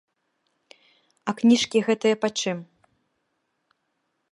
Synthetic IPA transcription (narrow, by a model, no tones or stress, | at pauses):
ɐknʲiʂkʲiɣɛt̪ɨjɐpat͡ʂɨm